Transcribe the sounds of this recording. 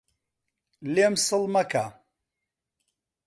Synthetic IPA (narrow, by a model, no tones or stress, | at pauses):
lemsɨlmɐka